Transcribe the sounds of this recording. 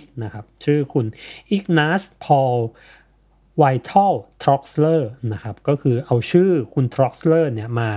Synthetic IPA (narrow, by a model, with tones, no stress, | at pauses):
na˦˥kʰa˦˥p̚t͡ɕʰɯː˥˩kʰu˧nʔi˦˥k̚naː˦˥spʰɔː˧ | wa˧jt̪ʰɔ˥˩wt̪ʰɾɔ˦˥k̚slɤː˥˩na˦˥kʰa˦˥p̚kɔː˥˩kʰɯː˧ʔa˧wt͡ɕʰɯː˥˩kʰu˧nt̪ʰɾɔ˦˥k̚slɤː˥˩ni˥˩ɐmaː˧